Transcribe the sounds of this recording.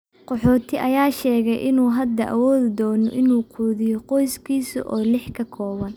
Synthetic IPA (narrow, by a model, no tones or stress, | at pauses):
qɔħɔːt̪ʰɪʔɐjaːʃɛːɣɛjʔɪnuːɦɐd̪ɐʔɐ̰wɔːðɪd̪ɔːnɔ̰ʔɪnuːqʰuːðɪjɔqɔjskʰiːsʊ̰ʔɔːlɪħkʰɐkʰɔːβɐn